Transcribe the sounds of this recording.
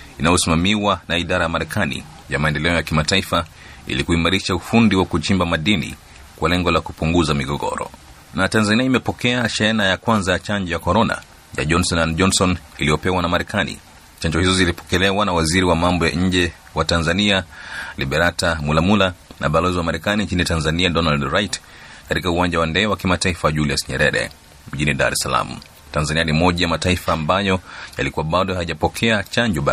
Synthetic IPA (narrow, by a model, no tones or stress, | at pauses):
inajɔsimamiwanaiɗaɾajamaɾɛkʰanḭ | jamaɛndɛlɛɔjakimataifa | ḭlikuimaɾiʃaufundiwakut͡ʃimbamaɗinḭ | kwalɛŋɡɔlakupuŋɡuzamiɡɔɡɔ̰ɾɔ̰ | natanzaniaimɛpɔkɛaʃɛɛnajakwanzajat͡ʃand͡ʒɔjakɔɾɔna̰ | ja̰ʄɔnsɔnand͡ʒɔnsɔniliɔpɛwanamaɾɛkanḭ | t͡ʃaɲd͡ʒɔhizɔzilipɔ̥kɛlɛwanawaziɾiwamambɔja̰ɲ̩d͡ʒɛ | watanzanialiɓɛɾatamulamulanʔa̰ɓalɔziwamaɾɛkaniɲt͡ʃinitanzaniadɔnaldɾajt | katikauwaɲd͡ʒawandɛwakimataifaʄuliasɲɛɾɛɾɛ̰ | m̩ʄiniɗa̰ɾɛsala̰mṵ | tanzanianimɔʄajamataifaːmbajɔja̰likuwaɓaɗɔhaiʄapɔkʰɛat͡ʃaɲd͡ʒɔɓa